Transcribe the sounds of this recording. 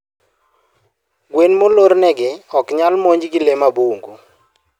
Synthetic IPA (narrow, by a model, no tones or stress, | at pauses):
ɡwenmoloɾnɛɡɪɔkɲalmoɲd͡ʒɡɪlemabuŋɡo